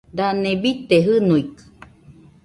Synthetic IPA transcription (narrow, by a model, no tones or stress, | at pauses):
d̪anẽbit̪eɦɨnuikɨ̥